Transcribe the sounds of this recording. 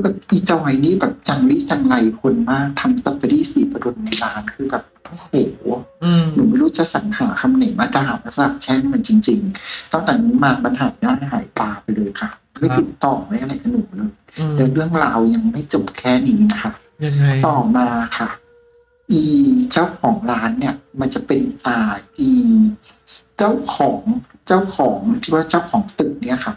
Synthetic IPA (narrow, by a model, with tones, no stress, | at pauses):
bɛː˨˩p̚ʔiː˨˩t͡ɕa˧wha˨˦jniː˥˩bɛː˨˩p̚t͡ɕa˧ŋliː˦˥˩t͡ɕa˧ŋla˧jkʰo˧nmaː˥˩k̚t̪ʰa˧msa˨˦˥p̚a˧ɾiː˥˩siː˨˩pa˧do˧nːa˧jlaː˦˥nkʰɯː˧bɛː˨˩p̚ma˥˩jhoː˨˩˦ | nuː˨˩˦ma˥˩jɾuː˦˥t͡ɕa˨˧˩k̚sa̰˩˦ŋhaː˩˦kʰa˧mna˨˦jmaː˧˦daː˨˧˩ma˧˥˩sa˧da˨˩t͡ɕʰɛ˦˥˩ŋma˧nt͡ɕi˧ŋt͡ɕi˧ŋt̪ɔ˥˩ŋt̪ɛː˨˩niː˦˥maː˧ba˧nhaː˨˦n˨˧˦daː˦˥˩n˧ɦa̰ː˩˦jp̪aː˧pa˧jlɤː˧jkʰa˧˥˩ma˥˩t̪i˨˩t̪ːɔː˨˩a˦˥˩jʔa˧ɾa˧jka˧nuː˨˩˦lɤː˧j | lɛː˨˦˥wɾɯ˥˩əŋɾaː˧wja˧ŋma˥˩jt͡ɕo˨˩p̚kʰɛː˥˩niː˦˥na˦˥kʰa˦˥ʔ | t̪ɔː˨˩maː˧kʰa˥˩ | ʔiː˧˨˩t͡ɕa˥˩wkʰɔː˩˦ŋɾaː˦˥nːi˥˩ɐma˧nt͡ɕa˨˩pe˧nʔaː˧t̪ʰiː˧ | t͡ɕa˥˩wkʰɔː˩˦ŋ | t͡ɕa˥˩wkʰɔː˩˦ŋt̪ʰiː˥˩waː˥˩t͡ɕaː˥˩wkʰɔː˩˦ŋt̪ɯ˨˩k̚ni˥˩ɐkʰa˥˩